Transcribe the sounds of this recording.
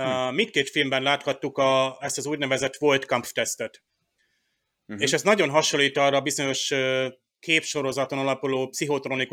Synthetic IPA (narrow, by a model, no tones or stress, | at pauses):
mint̪keːt̪filmbɛnlaːt̪hɒt̪ːukɒɛst̪ɒzuːɟnɛvɛzɛt̪ʋo̞lt̪kɒmpft̪ɛst̪ɛt̪ | eːʃɛst̪nɒɟo̞nɦɒʃolːiːt̪ɒːrːɒːbizo̞ɲo̞ʃø | keːpʃo̞ɾo̞zɒt̪o̞nɒlɒpuloːpsiɦo̞t̪ɾo̞niku